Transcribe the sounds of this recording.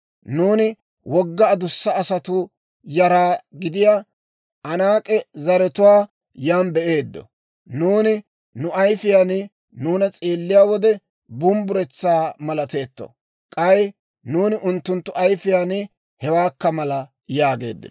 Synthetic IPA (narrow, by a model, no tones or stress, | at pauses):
nuːnɪ | wɔɡːɐːd̪ʊsːɐːsɐt̪ʊ | jɐɾaːɡɪd̪ɪja | ʔɐnaːkʼɛzɐɾɛt̪ʊwaː | jaːnbɛʔeːd̪ːɔ̰ | nuːnɪ | nʊɐjfɪjanɪ | nuːnɐt͡sʼeːlːɪjaːwɔd̪ɛ | bʊmbʊɾɛt͡sːaːmɐlɐt̪e̞ːt̪ːɔ̰ | kʼɐjɪ | nuːnɪʔʊnt̪ːʊnt̪ːʊʔɐjfɪjaːnɪ | hɛwaːkːɐmɐlɐ | jaːɡe̞̰ːd̪ːɪ̰n